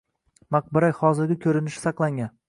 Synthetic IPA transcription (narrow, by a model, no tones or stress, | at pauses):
maq̚bɪɾajhɒzɪɾɡʲɪkʲʰɵɾɪnɪʃɪ̥sɑqlˠaŋɡʲan